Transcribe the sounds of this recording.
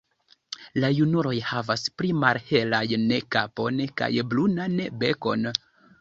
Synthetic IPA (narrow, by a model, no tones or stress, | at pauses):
lajunuɾo̞jhavaspɾimaɾhe̞lajnkapo̞nka̰jblunanbe̞ko̞̰n